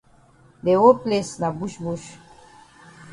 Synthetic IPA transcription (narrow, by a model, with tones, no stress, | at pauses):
de˨wo˦plesna˨bu˦ʃbuʃ